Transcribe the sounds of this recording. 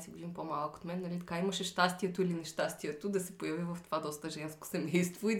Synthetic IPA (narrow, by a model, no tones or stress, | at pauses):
sivivʲimpomalˠkoo̥t̪mɛnːɐlit̪ɐkaimɐʃɛʃt̪ast̪iɛt̪ʊilinɛʃt̪ast̪iɛt̪ʊd̪ɐsɛpojɐvivɐft̪ovad̪ɔst̪əʒɛnsko̥sɛmɛjst̪voi